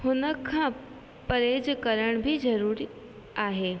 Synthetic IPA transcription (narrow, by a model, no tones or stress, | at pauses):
hʊnəkʰːãː | pəɾeːd͡ʒkəɾəɽ̃bʱizɐɾuːɾi | aːɦeː